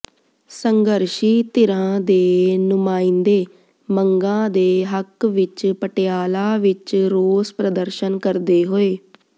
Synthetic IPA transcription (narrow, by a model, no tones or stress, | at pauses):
səŋɡəɾʃiːt̪ɪɾãːd̪eːnʊmaːiːnd̪eː | məŋɡãːd̪eːɦəkʋɪt͡ʃpəʈejaːlaːʋɪt͡ʃɾoːspɾəd̪əɾʃənkəɾd̪eːɦoːeː